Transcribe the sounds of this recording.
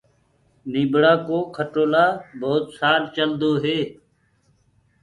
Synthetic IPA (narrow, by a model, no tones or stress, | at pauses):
niːbɽaːkoːkʰəʈoːlaːboːt̪saːɾt͡ʃəld̪oːɦeː